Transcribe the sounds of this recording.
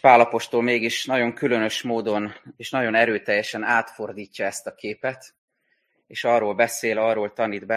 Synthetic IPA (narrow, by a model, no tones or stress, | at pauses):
paːlɒpo̞ʃt̪o̞lmeːɡiʃnɒɟo̞ŋkylø̞nø̞ʃmoːd̪o̞neːʃnɒɟo̞nɛɾøːt̪ɛjːɛʃɛnaːt̪fo̞rd̪iːcːɒɛst̪ɒkeːpɛt̪ | eːʃɒroːlbɛseːlɒrːoːlt̪ɒniːd̪bɛ